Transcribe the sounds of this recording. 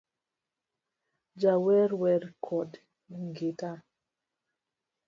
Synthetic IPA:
d͡ʒawɛɾwɛɾkʰɔd | ŋɡita

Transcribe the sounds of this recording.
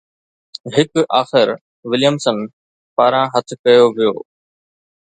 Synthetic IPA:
ɦɪkaːxɪɾ | ʋɪljəmsən | paːɾãːɦət̪ʰkɐjoːʋɪjo̰ː

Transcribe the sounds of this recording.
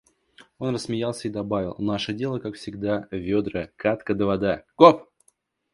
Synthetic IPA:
o̞nrəsːmʲɪjalˠsʲəid̪ɐbavʲɪ̰lˠnaʂədʲe̞lˠəkakfsʲɪɡd̪avʲod̪ɾəkat̪kəd̪əvɐd̪aɡ̥op

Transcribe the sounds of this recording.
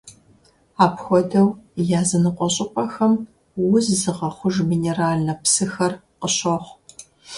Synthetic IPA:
aːpxʷɔdɐwjaːzɨnɨqʷʼɔɕʼɪpʼɐxɐm | wʊzzɨʁɐχʷʊʒmineːraːɮnɐpsɨxɐr | qəɕɐχʷ

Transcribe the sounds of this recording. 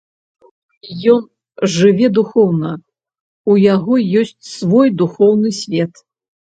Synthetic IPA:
jɔn | ʐɨvʲɛd̪uxɔwnɐ | ujaɣɔjɔsʲt͡sʲsvɔjd̪uxɔwnɨsʲvʲɛt̪

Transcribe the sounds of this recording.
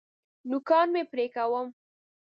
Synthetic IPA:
nʊkɑnmepɾekawəm

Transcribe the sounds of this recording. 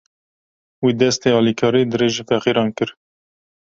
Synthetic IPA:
wiːd̪ɛst̪eːɑːlikʰɑːɾiːd̪ɨɾeːʒifɛqiːɾɑːnkɨɾ

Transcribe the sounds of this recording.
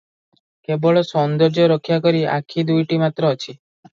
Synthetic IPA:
keboɭɔsɔnd̪ɔɾd͡ʒɔɾɔkʰjak̬ɔɾia̰kʰid̪ujʈimat̪ɾɔːt͡ʃʰi

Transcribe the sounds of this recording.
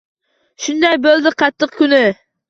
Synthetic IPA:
ʃund̪ɑjbøld̪ɪqʰɑt̪ʰːəqkʲynɪ

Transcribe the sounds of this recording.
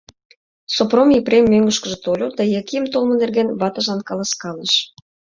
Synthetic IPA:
sopromiprʲemːøŋɡə̆ʃkə̆ʒĕt̪olʲod̪ɑjɑkijəmt̪olˠmə̆nerɣenβɑt̪ɑʒɑnkɑlˠɑskɑleʃ

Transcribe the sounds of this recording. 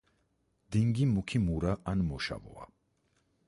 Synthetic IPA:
d̪̥iŋɡimukʰimuɾaʔanmɔʃa̰vɔ̰a̰

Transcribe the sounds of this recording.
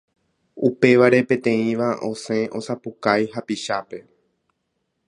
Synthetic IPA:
upe̞ʋaɾe̞pẽ̞t̪ẽ̞ĩʋaʔõ̞sẽ̞ʔo̞sapukajɦapiʃape̞

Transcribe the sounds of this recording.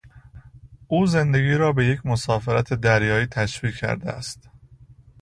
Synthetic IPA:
ʔuːze̞nd̪e̞ɡʲiːɾɒːbe̞jecʰmo̞sɒːfeɾæt̪ʰe̞d̪æɾjɒːiːt̪ʰæʃviːkkʰːæ̰ɾd̪ḛæ̰st̪

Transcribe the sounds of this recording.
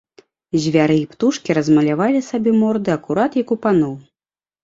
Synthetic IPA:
zʲvʲaɾɨipt̪uʂkʲiɾɐzmɐlʲavalʲisabʲɛmɔrd̪ɨɐkuɾat̪jɐkupanɔw

